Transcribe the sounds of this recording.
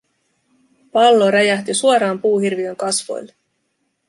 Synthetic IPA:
pɑlːoɾæjæht̪isuoɾɑːmpuːhirʋiø̞ŋkɑsʋo̞̰jlːe

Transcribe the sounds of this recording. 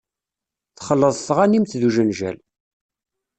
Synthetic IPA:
θχəlːəðˤθʁanimθðuʒənʒæ̰l

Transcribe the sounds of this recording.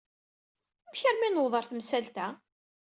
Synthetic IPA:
mçəɾminwðˤəɾˤθmsælt̪æ

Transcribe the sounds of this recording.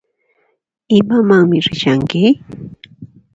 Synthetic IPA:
ɪmamaŋmɪɾɪʃaŋkɪ

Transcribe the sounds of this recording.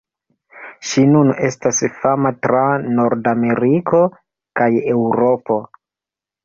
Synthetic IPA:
ʃinune̞stasfamatɾano̞ɾdame̞ɾikʰo̞ | kaje̞wɾo̞po̞

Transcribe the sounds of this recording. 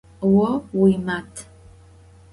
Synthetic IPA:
wɔwimatʰ

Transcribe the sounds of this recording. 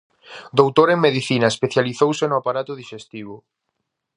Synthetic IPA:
d̪owt̪oɾeŋmeðiθinɐespeθjaliθowsenʊapaɾat̪ʊðiʃest̪iβ̞ʊ

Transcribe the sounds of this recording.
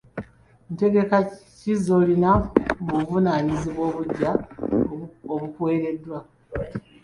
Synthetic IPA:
nte̞ɡe̞ka | cizo̞linamuvunaːɲiziβwo̞ːβuɟːa | oβukwe̞ːɾe̞dːwa

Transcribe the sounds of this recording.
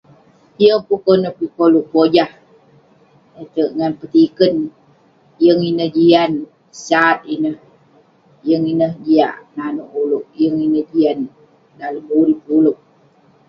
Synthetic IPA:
ijəŋpukonəhpikoluʔpod͡ʒah | et̪əʔŋanpət̪ikən | jəŋinəhd͡ʒian | sat̪̚inəh | jəŋinəhd͡ʒia̰ʔnanoʔuluʔjəŋinəhd͡ʒian | daləmuɾip̚uluʔ̚

